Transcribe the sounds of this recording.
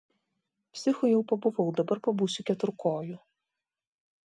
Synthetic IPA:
pʲsʲɪxʊjɛʊpɐbʊʋɐʊd̪ɐbɐɾpɐbuːsʲʊkʲɛt̪ʊɾkoːju

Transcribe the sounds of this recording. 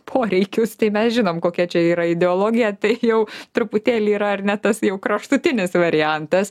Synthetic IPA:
pʰoːɾʲɛɪkʲʊst̪ɐɪmʲɛsʒʲɪnoːmkoːkʲɛt͡ʃʲɛiːɾɐɪd̪ʲɛoːlˠoːɡʲɪjɛt̪ɐɪjɛʊt̪ɾʊpʊt̪ʲeːlʲiːɾɐɐrnʲɛt̪ɐsjɛʊkɾɐʃt̪ʊtʲɪnʲɪsʋɐɾʲɪjænt̪ɐs

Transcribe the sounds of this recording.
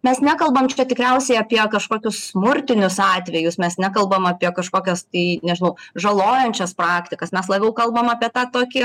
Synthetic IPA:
mʲɛsnʲækɐlˠbɐmt͡ʃʲɛt̪ʲɪkɾʲɛʊsʲɛɪɐpʲiɛkɐʃkoːkʲʊssmʊɾʲt̪ʲɪnʲʊsɑːt̪ʲʋʲɛjʊsmʲɛsnʲækɐlˠbɐmɐpʲiɛkɐʃkoːkʲɛst̪ɐɪnʲɛʒʲɪnɐʊʒɐlˠoːjɛnʲt͡ʃʲɛsprɑːkt̪ʲɪkɐsmʲɛslˠɐbʲɛʊkɐlˠbɐmɑːpʲiɛt̪ɑːt̪oːkʲɪ

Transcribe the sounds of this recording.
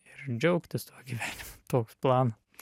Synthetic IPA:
ɪɾd͡ʒʲɛʊkt̪ʲɪst̪uɔɡʲiʋʲæːnʲɪmot̪oːksplˠɑːnɐ

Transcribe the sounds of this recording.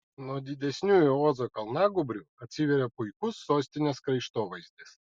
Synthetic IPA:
nɔd̪ʲid̪ʲɛsʲnʲujuɔzɔkɐlˠnaɡʊbɾʲʊɐsʲivʲeɾʲɐpʊjkusːɔsʲt̪ʲɪnʲɐskɾɐjʃt̪ɔʋɐjzʲd̪ʲɪs

